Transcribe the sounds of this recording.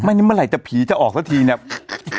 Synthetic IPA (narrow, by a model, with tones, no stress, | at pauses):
ma˥˩ni˥˩m˧˥˨ɾa˨˩˦jt͡ɕa˨˩pʰiː˩˦t͡ɕa˨˩ʔɔː˨˩k̚sʰaː˦˥˩t̪ʰiː˧ni˥˩ə